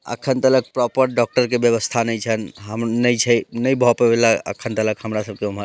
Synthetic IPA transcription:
ə̰kʰənt̪ələk̚pɾɔpəɾ̚ɖɔk̚ʈəɾkebjəʋəst̪ʰanəit͡ʃʰənɦəmnəĩt͡ʃʰɛnəĩbʱɔpebelaə̰kʰənt̪ələkhəmɾasəb̚keuma

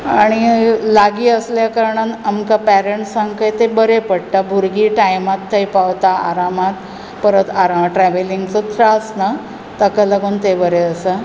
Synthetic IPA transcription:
aɽ̃ilaɡiːəsljakəɾɳanamkapæɾeɳʈsːaŋkəjt̪ebəɾepəɽʈabʱuɾɡiːʈajmat̪ʰːəjpaʋt̪aa̰ɾamat̪ | pəɾət̪aɾamʈɾɛʋeliŋɡt͡sət̪ʰːɾasna | t̪əkaləɡuːnt̪ebəɾeəsə

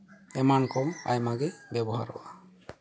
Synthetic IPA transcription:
ɛmankɔa̰jmaɡɛbɛbɔɦa̰ɾɔʔa

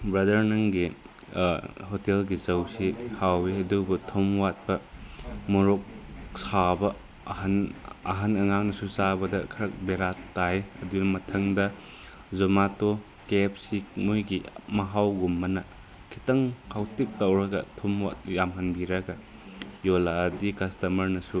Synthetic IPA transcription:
bɾɐdɐɾnɐŋɡi | hotelɡizɐwsihawiɦɐdubutʰomwat̚bɐ | muɾok̚sabɐ | hɐnɐɦɐnɐŋaŋnɐsusabɐdɐkʰɐɾɐk̚beɾattːajɐdunɐmɐtʰɐŋdɐ | zomato | kep̚sikmujɡimɐɦawɡumːɐnɐ | kʰitɐŋkʰawtik̚tɐwɾɐɡɐtʰɔmwa̰t̚jamɦɐnbiɾɐɡɐ | jolaːdikɐstɐmɐɾnɐsu

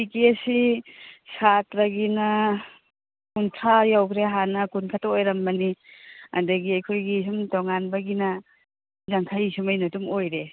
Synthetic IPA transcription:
bikiesisatɾɐɡinɐ | kuntʰajawkʰɾeɦanɐkunkʰataojɾɐmbɐnia̰dɐɡiajkʰojɡis̬umtoŋanbɐɡinɐ | daŋkʰajisumajnɐtumojɾe

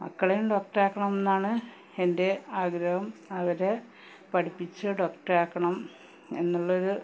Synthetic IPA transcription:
ɐ̰kːɐɭejumɖo̞ːk̚ʈɐraːkːɐɳɐme̞nːaːɳɨ | ende̞aːɡɾɐʋɐmɐʋɐɾe | pɐʈʰipːit͡ɕːɨɖo̞ːkʈɐraːkːɐɳɐm | e̞̰nːuɭːɐo̞ɾu

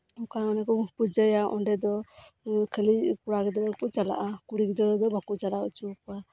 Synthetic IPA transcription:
mkaɔnɛkɔpud͡ʒəjaʔɔ̰nɖɛd̪ɔ | kʰəlikuɾaɡɛd̪ɔkɔt͡ʃala̰ʔakuɾikd̪ɔd̪ɔbakut͡ʃalaut͡ʃukua

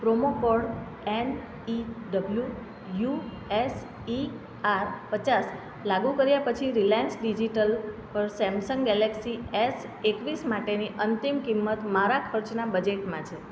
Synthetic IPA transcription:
pɾomokɔɽ | en | iɖəblju | ju | es | i | aɾpət͡ʃas | laɡũkəɾjapət͡ʃʰiɾilɛnsɖid͡ʒiʈəlpəɾsɛmsəŋɡɡɛleksies | ekʋismaʈeniʔənt̪imkimːət̪maɾakʰəɾt͡ʃnabəd͡ʒeʈmãt͡ʃʰe

